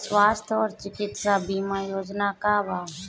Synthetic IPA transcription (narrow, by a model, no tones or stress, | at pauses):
sʋaːst̪ʰɔːɾt͡ʃɪkɪt̪sabiːmajoːd͡ʒnakabaː